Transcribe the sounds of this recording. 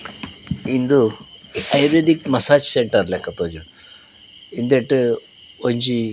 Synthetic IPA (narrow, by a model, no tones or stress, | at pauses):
ind̪u | ɐjɾedikmɐsaːd͡ʑseɳʈɐrilɐkːet̪oːd͡ʑu | ind̪eʈːɨ | oɲd͡ʑi